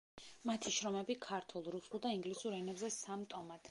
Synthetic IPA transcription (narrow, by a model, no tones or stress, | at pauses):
mat̪ʰiʃɾɔmɛbikʰaɾt̪ʰulˠɾusulˠd̪aiŋɡlisuɾɛnɛbzɛsamt̪ʼɔmad̪̥